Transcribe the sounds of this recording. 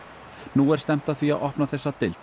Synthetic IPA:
nuːɛɾ̥st̪ɛm̥t̪aðθviaðʔɔhpnaθɛsːat̪ɪlt̪

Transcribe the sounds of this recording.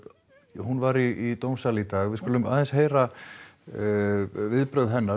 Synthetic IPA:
hunvaɾiit̪owmsalit̪aːɣvɪðskulʏmaːðɛnsheːjɾa | vɪðpɾœðɦɛnːa

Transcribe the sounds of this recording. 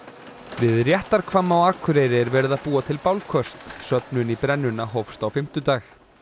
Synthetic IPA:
vɪðrjɛht̪aɾ̥kʰvamːawaːkʰʏɾejɾɪɛɾvɛːɾʏðaðpuːat̪ʰɪlpawlkʰœst̪sœpnʏnipɾɛnːʏnːaɦowfst̪awfɪm̥t̪ʏt̪aːx

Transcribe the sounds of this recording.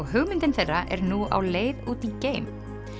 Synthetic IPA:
ɔɣɦʏɣmɪnt̪ɪnθerːaʔɛ̰ɾnua̰wleːjðuːt̪iceːjm

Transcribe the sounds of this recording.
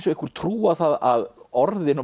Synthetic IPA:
sɔehkvʏɾ̥t̪ʰɾuːaθaðaðɔɾðɪnɔ

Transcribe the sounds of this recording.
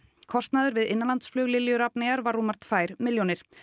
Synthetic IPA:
kʰɔst̪naðʏɾvɪðɪnːalant̪sflœːɣlɪljʏɾapnɪɣaɾvaɾːuːmaɾ̥t̪faːjɾ̥mɪljownɪɾ̥

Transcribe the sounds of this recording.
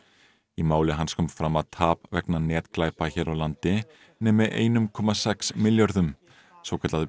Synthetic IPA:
imaːwlɪɦanskʰɔmfɾamaðt̪ʰaːpvɛknanɛːt̪klaːjpaçɛːɾʔawlant̪ɪ | nɛːmɪʔḛːjnʏmkʰɔːmasɛksmɪljœɾðʏm | svoːwkʰɛt̪aðʏ

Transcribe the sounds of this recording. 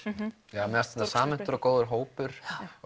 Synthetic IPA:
jaːmɛast̪ɛnt̪asaːmɪn̥t̪ʏɾɔkoːwðʏɾɦoːwpʏɾ̥

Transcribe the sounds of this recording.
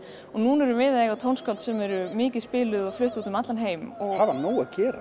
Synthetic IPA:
ɔɣnuːnɛɾʏvɪːðaðɛɣat̪ʰownskʰɔlt̪sɛmɛɾʏmɪːcɪðspɪːlʏðɔɣflʏht̪uːt̪ʏmat̪lanɦeːjmɔɣavanuːwaðcɛːɾa̰

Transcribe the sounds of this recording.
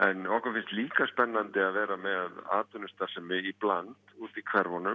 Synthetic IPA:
ɛnɔhkafɪnst̪liːkaspɛnːant̪ɪaðvɛːɾamɛðaða̰ːt̪ʏnʏst̪aɾ̥sɛmɪiplant̪uːt̪ikʰvɛɾvɔnʏ

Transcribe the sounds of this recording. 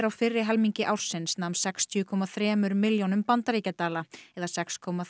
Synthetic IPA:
ɾawfɪrːɪɦɛlmiɲcɪʔawr̥sɪnsnawmnsɛkst̪ʰjʏkʰɔmaθɾɛːmʏɾmːɪljownʏmpant̪aɾicat̪aːlaɛðasɛkskʰɔmːa

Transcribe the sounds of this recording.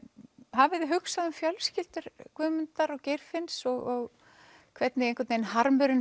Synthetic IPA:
ɦavɪðɪɦʏksaðʏmfjœlscɪlt̪ʏɾ̥kvʏːmʏnt̪aɾɔɣcejɾ̥fɪnsɔɣɔɣ | kʰvɛt̪nɪɣejŋkvɛɾt̪nejnhaɾmʏɾɪn

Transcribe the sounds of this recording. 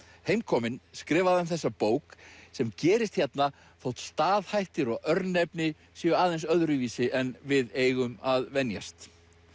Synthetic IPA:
heːjmkʰɔːmɪnskɾɪːvaðamθɛsːapoːwksɛmcɛːɾɪst̪çjɛt̪na | θowht̪st̪aːðhajht̪ɪɾɔɣʔœɾt̪nepnɪ | siːʏaːðejnsœðɾʏviːsɪʔɛnvɪðeːjɣʏmaðvɛnja̰st̪

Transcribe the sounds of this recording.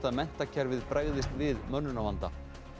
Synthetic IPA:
t̪aðmɛn̥t̪acʰɛɾvɪðpɾaːjɣðɪst̪vɪðmœnːʏnawvant̪a

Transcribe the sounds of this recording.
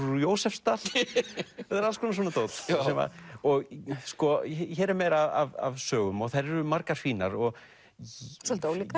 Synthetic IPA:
joːwsɛfst̪al̥ | ɛt̪aɾalskʰvɔnas̬wɔnat̪oːwt̪sɛma̰ɔɣskɔçɛːɾɛɾmeːjɾaava̰vsœːɣʏmɔɣθajɾɛɾʏmaɾkaɾ̥fiːnaɾɔɣ | sɔlt̪oːwlika

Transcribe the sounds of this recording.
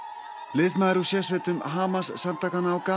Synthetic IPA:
lɪsmaɾusjɛsvɛt̪ʏmɦaːmassaɾt̪akanawka

